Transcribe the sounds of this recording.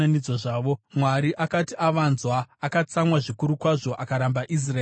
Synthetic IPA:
anid͡zoʐaːʋo̞mwaɾiʔakatiaʋaːnzwaːkat͡samwaʐikuɾukwaʐo̞ʔakaɾambaʔis̬ra

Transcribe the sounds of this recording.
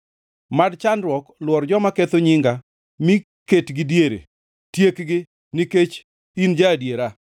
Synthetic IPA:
madt͡ʃandɾwɔklwɔrd͡ʒɔmaket̪oɲiŋɡa | mɪ | ketɡɪdjeɾḛ | tjekɡɪ | niket͡ʃ | ind͡ʒadjeɾa

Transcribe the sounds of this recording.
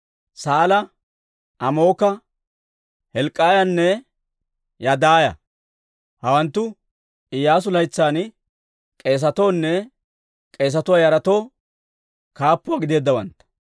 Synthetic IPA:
saːlɐ | ʔɐmo̞ːkɐ | hɛlkʼːaːjɐnːɛ | jɐd̪aːjɐ̰ | hɐwɐnt̪ːʊ | ɪjaːs̬ʊlɐjt͡sːaːn | kʼe̞ːs̬ɐt̪o̞ːnːɛ | kʼe̞ːs̬ɐt̪ʊwaːjɐɾɐt̪o̞ː | kaːpːʊaɡɪd̪e̞ːd̪ːɐwɐnt̪ːɐ̥

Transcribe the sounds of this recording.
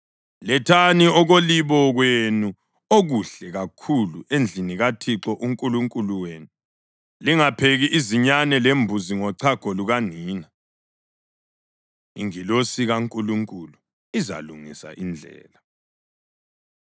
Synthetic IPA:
lɛtʰaniɔɣoliβɔɣwenu | oɣuɬɛɣakʰulṵʔend͡ɮʱiniɣatʰiǁɔʔuŋkʼuluŋkʼuluweːnu | liŋapʰeɣiʔiziɲanɛlembʱuziŋɔǀʰaɡ̥ʱɔluɣaniːna | ḭŋilosiɣaŋkʼuluŋkʼulu | iza̰luŋisa̰ʔind͡ɮʱɛ̰ːla

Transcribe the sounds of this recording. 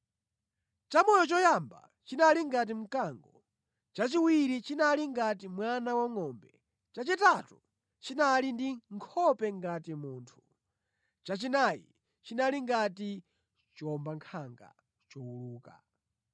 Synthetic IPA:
t͡ʃamɔjɔt͡ʃɔjamba̰ | t͡ʃinaliŋɡat̬im̩kaːŋɡɔ | t͡ʃat͡ʃiwiɾit͡ʃinaliŋɡat̬imwanawaŋɔmbɛ | t͡ʃat͡ʃitatu | t͡ʃinalindiŋkʰɔpɛŋɡatimuːntʰu̥ | t͡ʃat͡ʃinajḭ | t͡ʃinaliŋɡati | t͡ʃɔmbaŋkʰaŋɡa̰ | t͡ʃɔwuluːka̰

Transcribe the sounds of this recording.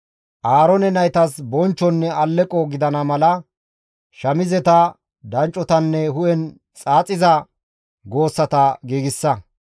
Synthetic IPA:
ʔaːɾɔnɛnɐjt̪ɐsbɔnt͡ʃːɔnːɛɐlːɛkʼɔɡɪd̪ɐnɐmɐlɐ | ʃɐmɪzɛt̪ɐ | d̪ɐnt͡ʃʼːɔt̪ɐnːɛhʊʔɛn | t͡sʼaːt͡sʼɪzɐ | ɡo̞ːsːɐt̪ɐɡiːɡɪsːɐ

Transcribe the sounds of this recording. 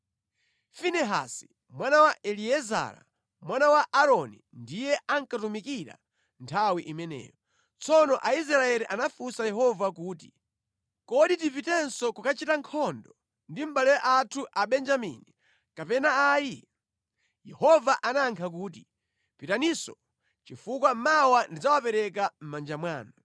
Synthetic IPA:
finɛɦa̰si̥ | mwanawaʔɛliɛza̰ːɾa̰ | mwanawaʔaɾɔnḭ | ndijɛʔaŋkatumikiɾa̰ | ntʰawiʔimɛnɛ̰ːjɔ | t͡sɔnɔʔaizɾaɛɾiʔanafusajɛɦɔvakuːti | kɔɗit̬ivitɛnsɔkukat͡ʃitaŋkʰɔndɔ | ndim̩ɓalɛʔatʰuʔaɓɛnd͡ʒamḭni | kapɛnaaːji | jɛhɔvaʔanaŋkʰak̬uːt̬i | pitanisɔ | t͡ʃifukwam̩mawandid͡zawapɛɾɛk̬am̩mand͡ʒamwaːnɔ

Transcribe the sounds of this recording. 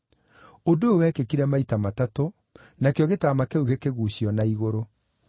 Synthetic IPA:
odoowɛkekiɾɛmaitamatato | nakjɔɣetamakɛoɣekeɣuɕjɔnaiɣoɾo

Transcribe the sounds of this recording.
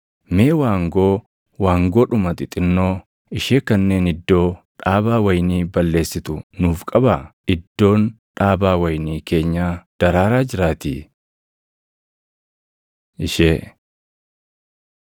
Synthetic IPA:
me̞ːwaːŋɡo̞ː | waːŋɡo̞ːᶑʊmɐt̪ɪt̪ʼɪnːo̞ː | ɪʃeːkɐnːe̞ːnɪd̪ːo̞ːᶑaːbaːwɐjniːbɐlːe̞ːsːɪt̪ʊnuːfkʼɐbaɪd̪ːo̞ːn | ᶑaːbaːwɐjniːke̞ːɲːaːd̪̥ɐɾaːɾaːd͡ʒɪɾaːt̪ḭ | ɪʃeː

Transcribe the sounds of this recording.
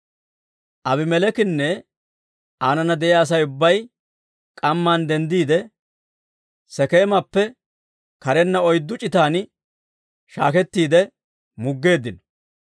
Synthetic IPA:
ʔɐbɪmɛlɛkɪnːɛ | ʔaːnɐnɐd̪ɛʔjaːs̬ɐjʊbːɐj | kʼɐmːaːnd̪ɛnd̪iːd̪ɛ | sɛke̞ːmɐpːɛ | kɐɾɛnːɐɔjd̪ːʊt͡ʃʼɪt̪aːn | ʃa̰ːkɛt̪ːiːd̪ɛ | mʊɡːe̞ːd̪ːɪnɔ

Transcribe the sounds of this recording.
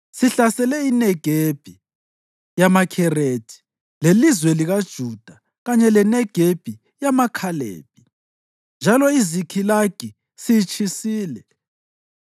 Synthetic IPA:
siɬasɛlɛinɛɡ̥ʱeb̥ʱi | jamakʰɛred̥ʰʱʼi̥ | lelizwɛliɣad̥ʒ̥ʱud̥ʱa | ɣaɲɛlɛnɛɡ̥ʱeb̥ʱi | jamakʰalḛːb̥ʱʼi | nd͡ʒʱalɔizikʰilaɡ̥ʱi | sit͡ʃʰʼisiːlɛ

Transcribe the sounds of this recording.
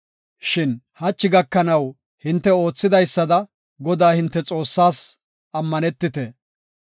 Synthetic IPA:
ʃɪn | hɐt͡ʃːɪɡɐkːɐnɐw | hɪnt̪ːɛo̞ːt͡sːɪd̪ɐjsːɐd̪ɐ | ɡɔd̪aːhɪnt̪ːɛt͡sʼo̞ːsːaːs | ɐmːɐnɛt̪ːɪt̪ɛ

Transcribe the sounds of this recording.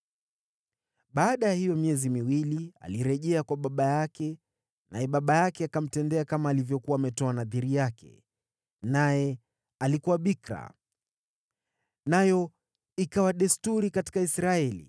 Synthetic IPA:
ɓaːɗajahijɔmiɛzimiwilia̰liɾɛʄɛakwaɓaɓajakɛ | najɛɓaɓajakɛakam̩tɛndɛakamaːlivjɔkuwaːmɛtɔanaðiɾijakʰɛ̰ | najɛ | alikuwaɓikɾa̰ | najɔ | ikawaɗɛstuɾikati̥kaisɾaɛlḭ

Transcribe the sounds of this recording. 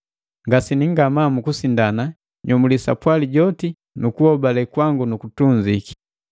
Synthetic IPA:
ŋɡasiniŋɡamamukusindana | ɲɔmulisa̰pwaliɟɔti | nukuɔbalɛkwaŋɡunukutuɲd͡ʒiki̥

